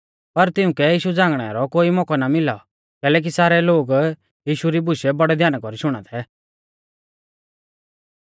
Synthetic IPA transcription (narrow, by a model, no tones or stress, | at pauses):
pɐɾt̪ɪũkɛjiːʃud͡zãːŋɡɽ̃ɛ̰a̰ɾɔkoːimɔkɔnamɪlaɔ | kɛːlɛːk̬isaːɾɛloːɡ | jiːʃuɾibʊʃɛbɔɽɛd̪ʱjaːnakɔɾiʃʊɽ̃a̰t̪ʰɛ